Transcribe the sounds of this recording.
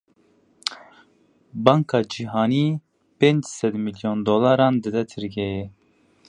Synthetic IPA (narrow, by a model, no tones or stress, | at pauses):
bɑːŋkʰɑːd͡ʒiɦɑːniː | peːnd͡ʒsɛd̪miljond̪oːlɑːɾɑːnd̪ɨd̪ɛt̪ʰɨɾɡɛjɛ